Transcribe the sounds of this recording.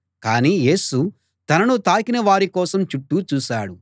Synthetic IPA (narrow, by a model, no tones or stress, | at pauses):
kaːniːje̞ːsu | t̪ɐnɐnut̪aːkinɐʋaːɾikɔːsɐmt͡ʃuʈːuːt͡ʃuːʃaːɽu